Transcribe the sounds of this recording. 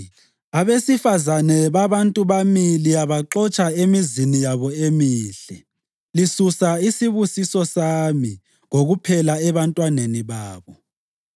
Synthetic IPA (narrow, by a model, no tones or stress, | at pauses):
aβesifazanɛβaβantʼuβamiliaβaǁɔt͡ʃʼaemizinijaβɔemiːɬɛ | lisusaisiβusisɔsami | ŋoɣupʰɛlaɛβantʼwaneniβaːβɔ